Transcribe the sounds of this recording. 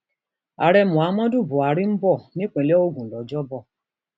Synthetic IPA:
a˨ɾɛ˧mũ˨a˨˦mã˦du˦˨bu˨a˨˦ɾi˦m̩˦bɔ˦˨nĩ˦k͡pẽ˨lɛ˦o˦˨ɡũ˨lɔ˨d͡ʒɔ˦bɔ˦˨

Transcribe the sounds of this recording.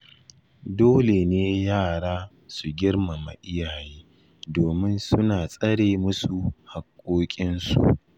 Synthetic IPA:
doː˦le˨neː˦jaː˦˨ɽaː˦ | su˨ɡʲɪ˦rma˨ma̰˨ʔɪ˦jaː˨jeː˦ | doː˨mɪ˦nsʊ˦naː˨sʼɐ˦ɽeː˨mʊ˦su˨ha˨kʷʼːoː˦kʲʼɪ˦nsṵ˨

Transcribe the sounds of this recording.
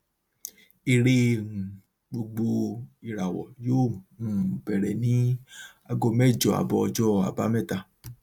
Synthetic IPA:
e˧ɾe˦˧ũ˨ | ɡ͡bo˧ɡ͡bo˧i˨ɾa˨wɔ̰˨joː˦˨ũ˨bɛ˨ɾɛ˨nĩ˨˦ | a˧ɡo˧mɛ˦˨d͡ʒɔ˨a̰˨bɔ˧ɔ˧d͡ʒɔ˦a̰˨ba˨˦mɛ˦˨ta˧˨

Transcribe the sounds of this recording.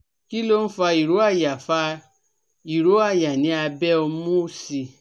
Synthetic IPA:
ki˦lo˦n̩˦fa˧i˨ɾo˨˦a˦˨ja˨fa˧ | i˨ɾo˨˦a˦˨ja˨nĩ˨˦a˧bɛ˦o˧m̃ũ˦o˦si˧

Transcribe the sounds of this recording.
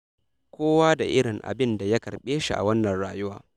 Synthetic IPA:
kʷoː˦waː˦da˨ʔɪ˦ɽɪ˨ŋʔa̰˨bɪ˦nda˨ja˦kɐ˨ɽɓeː˦ʃḭ˨ʔa̰˨wɐ˦nːɐ˨nɽaː˨jʊ˦waː˦

